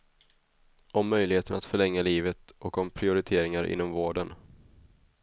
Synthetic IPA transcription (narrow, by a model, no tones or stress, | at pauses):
ʔɔmːœjlɪheːt̪ənat̪fœɭɛŋːaliːvət̪ʔɔkɔmpʰɾɪʊɾɪt̪ʰeːɾɪŋaɾʔɪ̰nːɔmvoːɖən